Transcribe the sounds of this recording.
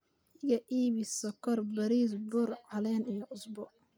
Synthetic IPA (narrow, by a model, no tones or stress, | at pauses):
ɪɣɐʔiːβɪsɐkʰɔrbɐɾiːsbʊrʕɑlɛːnɛjɔʔʊsbɔ